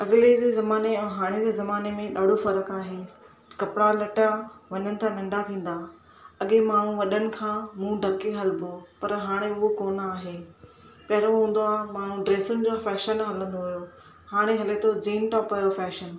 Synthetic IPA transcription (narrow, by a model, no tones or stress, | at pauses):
ɐɠled͡ʑeːzɐmaːneɛ̃ɦaːɽ̃ed͡ʑeːzɐmaːnemẽɗaːɖ̤ofɐɾəkaːɦeː | kɐpɽ̃alɐʈaʋɐɲənɪ̆t̪ʰãːʋɪ̃ɳɖat̪ʰĩːn̆d̪aː | ɐɠemaːɳ̤ũʋɐɗənɪ̆kʰãːmũːɖʱɐkeɦɐlbopɐɾɦaːɽ̃eʊɦokoːnaːɦeː | pɐɦɪɾoɦũːn̆d̪oaːɦmaːɳ̤ũɖɾeːsʊnɪ̆d͡ʑofɛːʃənɦɐlə̃nd̪oɦʊjo | haːɽ̃eɦɐlet̪ʰod͡ʑiːnʈɔːpɐːjofɛːʃən